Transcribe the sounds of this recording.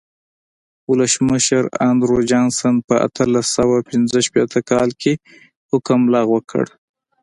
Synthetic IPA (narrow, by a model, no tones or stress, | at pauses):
ʊləsməʃəɾa̰nd̪ɾod͡ʒɑnsanpəʔa̰t̪ʰəlasawapɪnzəʃpet̪ʰəkɑlkʰe | hʊkəmlɑɣwəkʰə̰ɽ